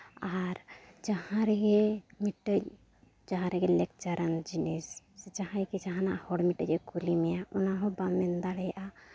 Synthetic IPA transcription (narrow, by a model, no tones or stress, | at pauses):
aɾd͡ʒahãɾɡemiʈːə | d͡ʒaɦãɾeɡelekt͡ʃəɾənd͡ʒines | set͡ʃaɦãjked͡ʒaɦãnahoɽmiʈəd͡ʒekulimejaunaɦõbamend̪aɽeʔa